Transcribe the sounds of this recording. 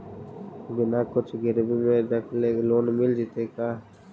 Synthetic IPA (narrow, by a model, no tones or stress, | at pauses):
bɪnaːkʊt͡ʃʰɡɪɾbimẽd̪ɐkʰleɡloːnmɪld͡ʒit̪ekaː